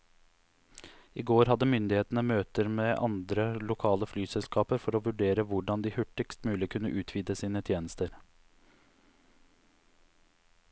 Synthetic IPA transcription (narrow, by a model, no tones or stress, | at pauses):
iːɡoːɾhɑd̪əmʏnd̪ɪheːt̪n̩əmøːt̪əɾmeːʔɑ̰nd̪ɾəlʊkʰɑːləflyːsɛlskɑːpəɾfɔɾoːʋʉɖeːɾəʋʊɖɑnd̪iːhʉʈɪkst̪mʉːlɪkʰʉnːəʔʉːt̪ʰʋiːd̪əsiːnət̪ʰjeːnəst̪əɾ